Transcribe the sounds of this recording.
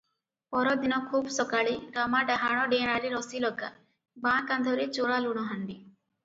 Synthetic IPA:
pɔɾɔd̪inɔkʰuːbsɔkaɭiɾamaɖaɦaɽ̃ɔɖeñaɾiɾɔsilɔɡa̰ | bãkand̪ʱɔɾit͡ʃoɭaluɽ̃ɔɦaɳɖi

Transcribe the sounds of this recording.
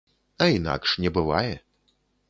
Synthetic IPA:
ɐina̰kʂnʲɛbɨva̰jɛ

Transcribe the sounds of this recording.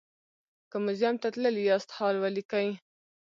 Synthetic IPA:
kəmʊzjɑmt̪at̪ləljɑst̪hɑlwalikaj

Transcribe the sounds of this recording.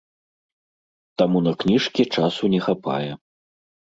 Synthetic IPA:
t̪amunɐknʲiʂkʲit͡ʂasunʲɛxapa̰jɛ

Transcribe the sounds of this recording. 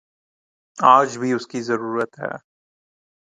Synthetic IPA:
aːd͡ʒbʱiʊskizɐɾuːɾət̪ɦɛ̰ː

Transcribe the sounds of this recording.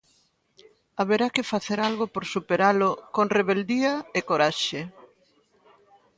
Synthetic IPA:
aβeɾakɪfaθeɾalɣopoɾsupeɾalʊkoŋreβeld̪iaekoɾaʃe

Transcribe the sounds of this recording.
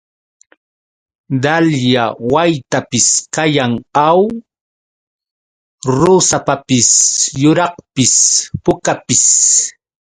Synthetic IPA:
d̪aljawajt̪apɪskajaŋaw | ɾʊsapapɪsjʊɾɑχpɪspʊkapɪs

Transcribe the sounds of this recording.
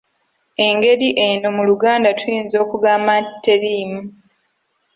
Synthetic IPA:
e̞ŋɡe̞ɾiʔeno̞muluɡaːndatwjiːnzo̞ːkuɡaːmatːe̞liːmu

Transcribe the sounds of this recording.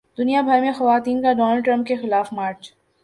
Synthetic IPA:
d̪ʊnijabʱɐɾmẽxɐʋaːt̪iːnkaɖɔːnəlɖʈɾɐ̃mp̚kexɪlaːfmaːɾt͡ʃ

